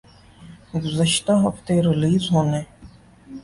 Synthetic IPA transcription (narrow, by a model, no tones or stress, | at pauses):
ɡʊzəʃt̪aɦəft̪eɾeliːzɦoːneː